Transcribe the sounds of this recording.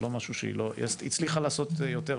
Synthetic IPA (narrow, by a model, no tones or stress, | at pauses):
lo̞maʃuʃḛḭlojḛsḭt͡sliχalaːso̞t̪jot̪e